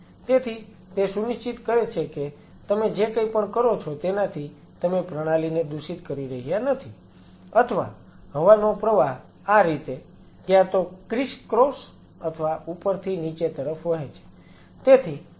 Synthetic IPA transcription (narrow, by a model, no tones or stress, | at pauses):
t̪et̪ʰi | t̪esuniʃt͡ʃit̪kəɾet͡ʃʰeke | t̪əmed͡ʒekəipəɳkəɾot͡ʃʰot̪enat̪ʰi | t̪əmepɾəɽ̃alined̪uʃit̪kəɾiɾəɦijanət̪ʰi | ət̪ʰəʋa̰ | ɦəʋanopɾəʋaɦ | aɾit̪e | kjãt̪okɾiʃkɾos | ət̪ʰəʋaʔupəɾt̪ʰinit͡ʃet̪əɾəfʋəɦet͡ʃʰe̥ | t̪et̪ʰi